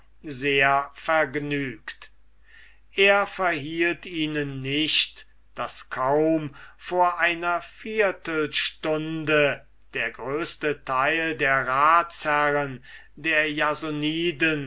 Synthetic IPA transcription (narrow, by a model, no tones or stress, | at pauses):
zeːɐfɛɐɡnyːkt | ʔeːɐfɛɐɦiːltiːnənːɪɕt | d̥askʰaʊmfoːɐʔaɪnɐfiɐtl̩ʃtʊndə | d̥eːɐɡʁøːst̪ətʰaɪldeːɐʁaːtshæʁən | deːɐjazoniːdən